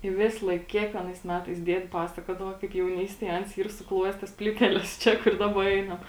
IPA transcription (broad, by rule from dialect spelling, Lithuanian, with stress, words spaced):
ɪ ˈʋʲɪslˠɐɪk ˈkʲiɛkʋʲiɛnɐɪs ˈmʲæːtɐɪs ˈdʲiɛtʲ ˈpɑːsɐkuɔdɐʋoː kɐɪp jɛʊˈnʲiːsʲtʲeːj ˈɐns ˈiːr sʊˈklˠuɔjɛs ˈtɐs ˈpʲlʲiːtʲɛlʲɛs ˈt͡ʃʲɛ kʊr ˈdɑːbɐ ˈɛɪnɐm